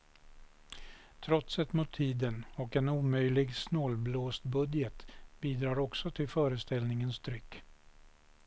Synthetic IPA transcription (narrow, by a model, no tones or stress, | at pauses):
t̪ʰɾɔt̪sɛt̪mʊt̪ʰːiːd̪ənɔkɛnuːmœjlɪɡsnɔlbloːst̪bɵd̪jət̪biːd̪ɾɑːɾɔksɔt̪ʰɪlfœːɾəst̪ɛlnɪŋənst̪ʰɾʏkː